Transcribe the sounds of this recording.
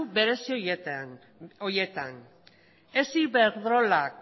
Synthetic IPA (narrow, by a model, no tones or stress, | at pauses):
uβe̞ɾe̞sioj | oje̞t̪an | e̞siβeɾðɾo̞lak̚